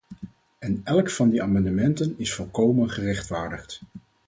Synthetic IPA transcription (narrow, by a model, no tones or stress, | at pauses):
ɛnɛlˠkfɑndiaːmɑndəmɛntənɪsfɔlˠkowmənχərɛχtfaːɹdəχt